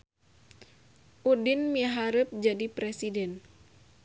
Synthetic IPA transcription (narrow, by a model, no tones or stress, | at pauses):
ʔudinmiɦaɾəp̚d͡ʒadipɾɛsidɛn